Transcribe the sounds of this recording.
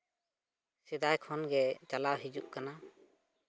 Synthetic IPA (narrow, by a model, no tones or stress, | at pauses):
sɛd̪ajkʰɔnɡɛt͡ʃalaɦid͡ʒuʔkana